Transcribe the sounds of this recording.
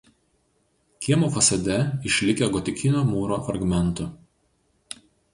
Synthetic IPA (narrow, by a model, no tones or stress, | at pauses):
kʲiɛmoːfɐsɐd̪ʲɛɪʃʲlʲɪkʲeɡɔt̪ʲɪkʲɪnʲoːmuːɾoːɐɾɡmʲɛnˑt̪ʊ